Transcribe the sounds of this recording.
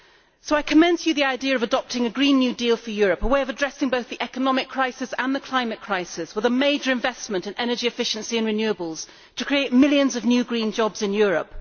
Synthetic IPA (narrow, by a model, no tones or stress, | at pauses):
soʊaɪkʰəmɛ̃nsjɨðiaɪdiəɹʌvədɒp̚tɪ̃ŋɨɡɹĩnːjʉdiːlˠfəjɔɹəpəweɪəʌvədɹɛsɪ̃ŋboʊθðiʔɛkənɒmɪkʰɹ̥aɪsɪsə̃nðəkʰl̥ãɪ̃mɨt̚kʰɹ̥aɪsɪswəðəmeɪd͡ʒə˞ɨ̃ɱvɛsmə̃ntɨ̃nɛnə˞d͡ʒiɨfɪʃɨ̃n̩siɨ̃nɹɨnjʉəbəlˠz̥ | tʰəkʰɹ̥ieɪt̚mɪlˠjɨ̃nzəvnjʉːɡɹĩnd͡ʒɒbz̥ɨ̃njʊɹə̰p̚